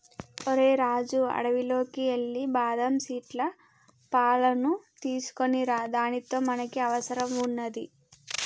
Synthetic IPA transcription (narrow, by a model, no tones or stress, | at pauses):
oɾe̞ːɾaːd͡ʒuɐ̰ɽɐʋilo̞ːkieɭːibaːd̪ɐmsiːʈlɐ | paːlɐnut̪iːsu̥ko̞niɾad̪aːnit̪o̞ːmɐnɐkiɐʋɐsɐɾɐmunːɐd̪i